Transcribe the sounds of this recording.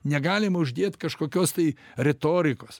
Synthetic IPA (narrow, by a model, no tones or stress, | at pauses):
nʲɛɡɑːlʲɪmɐʊʒʲd̪ʲeːt̪kɐʃkoːkʲoːst̪ɐɪɾʲɛt̪oːɾʲɪkoːs